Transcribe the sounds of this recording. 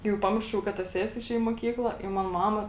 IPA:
jɛʊ ˈpɑːmʲɪrʃɐʊ kɐ ˈtɐ ˈsʲæːsʲɪ ɪˈʃʲeːj ɪ moːˈkʲiːklˠɐ ɪ ˈmɐn ˈmɑːmɐ

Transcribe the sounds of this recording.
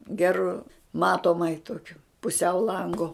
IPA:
ˈɡʲæːrʊ ˈmɑːtoːmɐɪ ˈtoːkʲʊ pʊˈsʲɛʊ ˈlˠɐŋɡʊ

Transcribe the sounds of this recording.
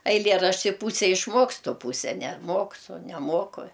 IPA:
ɐɪˈlʲeːrɐʃʲtʲɪ ˈpuːsʲɛ ɪʃˈmoːkstʊ ˈpuːsʲɛ nʲɛˈmoːksʊ nʲɛˈmoːkʊ

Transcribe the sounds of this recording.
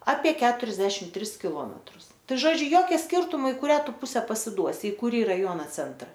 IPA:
ɐpʲiɛ ˈkʲæːtʊrʲɛzʲdʲɛʃʲɪm ˈtʲrʲɪs kʲɪˈlˠoːmʲɛtrʊs ˈtɐɪ ˈʒoːd͡ʒʲʊ ˈjoːkʲɛ ˈsʲkʲɪrtʊmoː ɪ kʊˈrʲæː ˈtʊ ˈpʊsʲɛ pɐsʲɪˈduɔsʲɪ ɪ kʊˈrʲiː rɐˈjuɔnɐ ˈt͡sʲɛntrɐ

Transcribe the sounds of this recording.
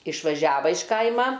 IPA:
ɪʃʋɐˈʒʲæːʋɐ ɪʃ ˈkɐɪmɐ

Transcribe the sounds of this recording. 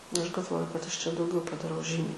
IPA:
ˈɐʃ ɡɐlˠˈʋoːjʊ kɐt ˈɐʃ t͡ʃʲɛ dɐʊˈɡʲɛʊ pɐdɐˈrɐʊ ˈʒʲiːmʲɛɪ

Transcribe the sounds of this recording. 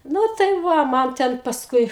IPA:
ˈnʊ tɐɪ ˈʋɐ ˈmɐn tʲɛn pɐsˈkʊɪ

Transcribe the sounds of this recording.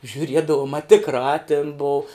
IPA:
ʒʲʊˈrʲiɛdɐʋʊm ɐ tʲɪkˈrɑː tʲɪn boːʊ

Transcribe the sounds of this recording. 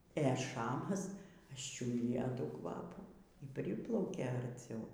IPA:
eː ˈʃɑːmɐs ɐʃʲˈt͡ʃʲʊdʲɪjɛ ˈtuː ˈkʋɑːpuː iː ˈpʲrʲɪplˠɐʊkʲeː ɐrʲˈt͡sʲɛʊ

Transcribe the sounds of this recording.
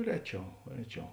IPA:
ˈrʲæːˌt͡ʃʲɛʊ ˈrʲæːˌt͡ʃʲɛʊ

